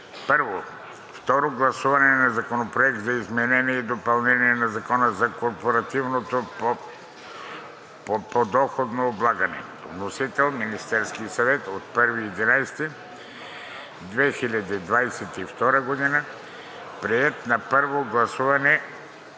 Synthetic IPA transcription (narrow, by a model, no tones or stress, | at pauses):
pəɾvo | ft̪ɔɾoɡlˠɐsuvɐnɛnɐzɐkonopɾoɛk̚t̪zɐizmɛnɛniɛid̪opɐlˠnɛniɛnɐzɐkɔnəzɐkoɾpoɾɐt̪ivnot̪opo | ppod̪ɔxod̪noːblˠaɡɐnɛ̰ | vnosit̪ɛlˠminist̪ɛɾskiəsɐvɛt̪ot̪̚pəɾviɛd̪inajst̪ɛ | d̪vɛxilʲɐd̪id̪vajsɛt̪ift̪ɔɾəɡod̪inə | pɾiɛt̪nɐpəɾvoɡlˠɐsuvɐnɛ